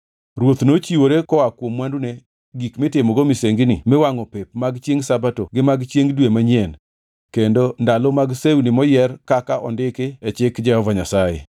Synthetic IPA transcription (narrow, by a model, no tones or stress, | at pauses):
ɾwot̪not͡ʃiwoɾekɔwakwomwandune | ɡikmetemɔɡomiseŋɡnɪ̰mewaŋɔpepmaɡt͡ʃjeŋsabatoɡɪmaɡt͡ʃjeŋdwemaɲɛn | kendondalɔmaɡsewunimɔjɛrkakaʔɔndɪkeɛt͡ʃɪkd͡ʒɛhɔvaɲasajḛ